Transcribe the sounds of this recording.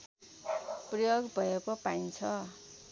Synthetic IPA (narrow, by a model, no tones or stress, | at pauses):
prʌjoɡbʱʌjekopaint͡sʰʌ